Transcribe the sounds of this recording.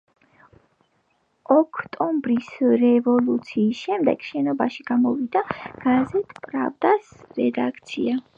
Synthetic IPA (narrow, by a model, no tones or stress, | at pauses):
ɔkʰt̪ʼɔmbɾisɾɛvɔlut̪sʰiːsʃɛmd̪ɛ̰ɡ̥ʃɛnɔbaʃiɡ̥amɔvid̪aɡ̥azɛt̪ʰʼpʼɾa̰vd̪asɾɛd̪akʰt̪sʰia